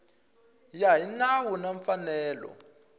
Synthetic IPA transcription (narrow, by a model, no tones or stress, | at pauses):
jaɦinawunaɱfanɛːlɔ̰